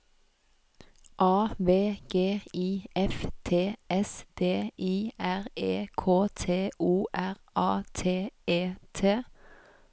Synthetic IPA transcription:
ʔɑːʋeːɡ̥eːiːɛft̪ʰeːɛsd̪̥eːiːæʁeːkʰoːt̪ʰeːʔuːʔæʁʔɑːt̪ʰeːeːt̪ʰeː

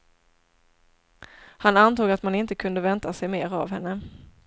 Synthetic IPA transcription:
hanant̪uːɡat̪manɪnt̪əkʰɵnd̪əvɛnt̪asɛjmeːɾavhɛnːə

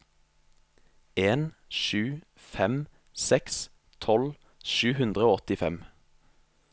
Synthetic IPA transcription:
eːnʃʉː | fɛm | sɛks | t̪ʰɔl | ʃʉːhʉnd̪ʁəoːɔt̪ɪfɛm

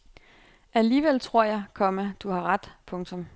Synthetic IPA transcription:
ʔæliːʋel̰t͡sʰʁo̝ɐ̰jɑ̈ɪkʰɒ̽məd̥uhɑ̈ʁɑd̥pʰɔ̽ŋt͡sʰɔ̽m

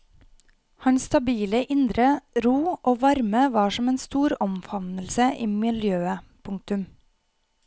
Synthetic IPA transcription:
hɑnst̪ɑbiːləʔɪnd̪ɾəɾuːʔoːʋɑɾməʋɑːʃɔmeːnst̪uːɾɔmfɑnəl̩səʔiːmɪljøːəpʰʊŋk̚t̪ʉm

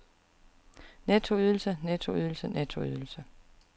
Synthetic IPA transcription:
nɛt͡sʰo̝yð̞ˠl̩sənɛt͡sʰo̝yðˠl̩sənɛt͡sʰo̝y̰ðˠl̩sə

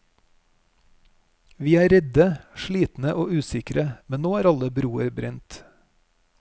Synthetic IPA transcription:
ʋiːæːɾɛd̪əʃɭiːt̪n̩əʔoːʔʉːsɪkɾəmɛnnoːæːɾɑləbɾuːəɾbɾɛnt̪

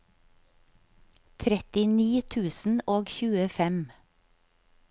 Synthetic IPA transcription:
t̪ʰɾɛt̪ɪniːt̪ʰʉːsn̩oːɡçʉːəfɛm

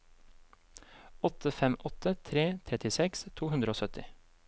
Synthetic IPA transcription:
ɔt̪əfɛmʔɔt̪ət̪ʰɾeːt̪ʰɾɛt̪ɪsɛkst̪ʰuːhʉnd̪ɾəoːsœt̪ɪ

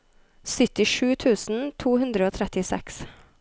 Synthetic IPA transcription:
sʏt̪ɪʂʉːt̪ʰʉːsn̩t̪ʰuːhʉnd̪ɾəoːt̪ʰɾɛt̪ɪsɛ̰ks

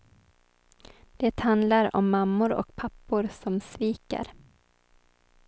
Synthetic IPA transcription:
d̪̥ɛt̪hand̪laɾɔ̰mːamːʊɾɔ̰kpʰapːʊɾsɔmsviːka̰ɾ

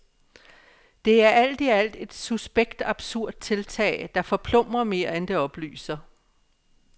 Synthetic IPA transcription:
d̥e̝æɐʔæl̰d̥iæl̰d̥e̝d̥susb̥eɡ̥d̥ɑ̈b̥suɐ̰d̥̚t͡sʰe̝lt͡sʰɛ̰ːɪd̥ɑ̈fɒ̽pʰlɔ̽m̰ɐme̝ːɐend̥e̝ɒ̽b̥ly̰ːsɐ

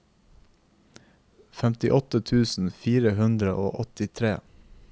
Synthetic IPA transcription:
fɛmt̪ɪʔɔt̪ət̪ʰʉːsn̩fiːɾəhʉnd̪ɾəʔo̰ːʔɔt̪ɪt̪ʰɾeː

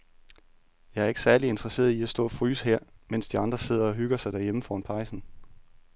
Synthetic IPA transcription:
jɑ̈ɪæɐe̝ɡ̥sæɐlie̝nd̥ʁɐse̝̰ːɐiæsd̥ɔ̰̽ːɒfʁy̰ːsɦeɐ̰men̰sd̥iɑ̈nd̥ʁɐse̝ð̞̰ˠɐɒ̽ɦyɡ̥ɐsɑ̈ɪd̥æɐjeməfɒ̰ːnpʰɑ̈ɪsn̩

